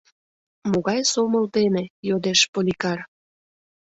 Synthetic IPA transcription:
moɣɑjsoməlt̪enejod̪eʃpolʲikɑr

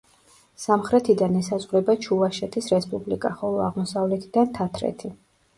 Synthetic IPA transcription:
samχɾɛt̪ʰid̪anɛsazʼʁɾɛbat͡ʃʰuvaʃɛt̪ʰisɾɛspʼublikʼaχɔlˠɔa̰ʁmɔsavlɛt̪ʰid̪ant̪ʰat̪ʰɾɛ̰t̪ʰi

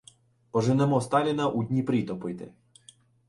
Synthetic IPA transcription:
pɔʒɪnɛmɔst̪ɑlʲinɐʔud̪ʲnʲipɾʲit̪ɔpɪjt̪ɪ̰

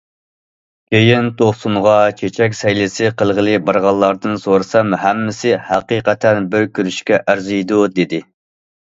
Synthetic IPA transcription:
kʲejɪnt̪ʰoχsumʁɑt͡ʃʰet͡ʃʰɛk̬ʲsɛjlɪsɪqʰəlˠʁəlˠɨbɑɾʁɑlˠːɑɾd̪ɨnsoɾɨsɑmhæmːɪsɪhæqiqɛt̪ʰɛnbøɾkʲyɾyʃkʲɛʔæɾzɨjd̪ud̪ed̪ɪ

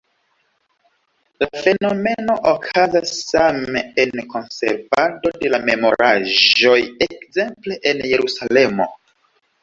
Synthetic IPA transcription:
lafe̞no̞me̞no̞ʔokʰazasːameenko̞nse̞̰ɾvado̞de̞lame̞mo̞̰ɾʔaʒo̞je̞kze̞mple̞ʔenje̞ɾusale̞mo̞̰

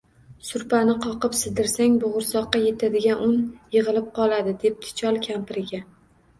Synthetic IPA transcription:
sʊɾpʰanɪqʰɒqɨpsɪzd̪ɪɾsaŋbʊʁʊɾsɒqːɑje̞t̪ʰad̪ɪɡʲanʊnjɨʁɨlˠɪp̚qʰɒlˠad̪ɪd̪e̞p̚t̪ʰɪ̥t͡ʃʰɒlˠkʲʰampʰɪɾɪɡʲa

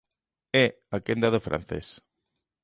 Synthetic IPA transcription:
e | akend̪aðəfɾʔa̰n̟θḛs

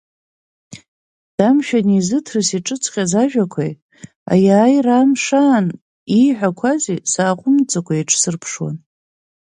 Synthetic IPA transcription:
d̥amʃᶣanizɨtʰrɨsiʈ͡ʂʼɨt͡sʰqʲʼazaʒᶣakʷʰa̰j | a̰jaːjramʂaːn | iħʷᶣakʷʰazisaːqʷʼʊmt͡sʼakʷʰaiʈ͡ʂʼʰsɨrpʰʂwa̰n

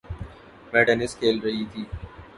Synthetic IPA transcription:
mɛʈɐnɪskʰeːlɾɐɦit̪ʰiː

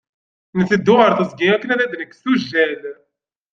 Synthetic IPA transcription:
nəθid̪ːʊʁəɾθəzɡiækːənæðæd̪nəkːsuʒːæl

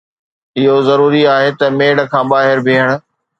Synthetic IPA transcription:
ɪɦozɐɾuːɾiaːɦet̪ɐmeːɽ̆kʰãːɓaːɦɪɾbʱeːɦəɽ̃ʊ̆

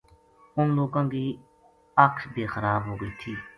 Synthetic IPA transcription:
ʊnloːkãːŋkiː | əksbeːxəɾaːbɦoːɡəiːt̪ʰiː

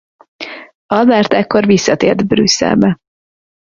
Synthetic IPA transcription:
ɒd̪ɛrt̪ɛkːo̞rvisːɒt̪eːrd̪brysːɛ̰lbɛ

